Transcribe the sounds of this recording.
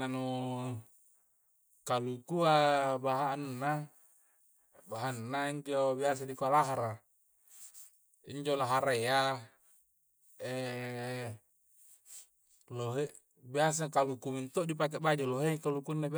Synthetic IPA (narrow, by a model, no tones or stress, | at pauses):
anu | kalukuabaɦannːa | baɦanːaiɲd͡ʒobias̬adikualaɦaɾa | iɲd͡ʒolaɦaɾea | e | loɦeʔ | bias̬akalukumint̪oʔdip̬ak̬eʔbad͡ʒoloɦekalukunːab